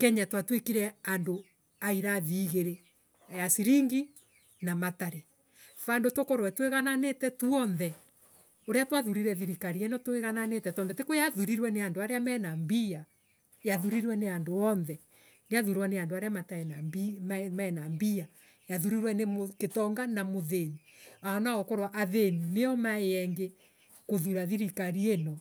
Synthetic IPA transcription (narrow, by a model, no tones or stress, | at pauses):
kɛɲatwatwekiɾɛando | aiɾaðiːɣeɾe | ajasiɾiŋɡi | namataɾe | fandotokoɾwɛtweɣananetɛtuɔnðɛ | oɾeatwaðuɾiɾɛðiɾikaɾiɛnɔtweɣananetɛtɔnðɛtekojaðuɾiɾwɛneandoaɾeamɛːnambia | jaðuɾiɾwɛneandoɔnðɛ | neaðuɾwaneandoaɾeamataɛnambimamaɛnambia | jaðuɾiɾwɛnemoketɔŋɡanamoðeniaɔnaɣɔkoɾwaʔaðenineɔmaeɛŋɡe | koðuɾaðiɾikaɾienɔ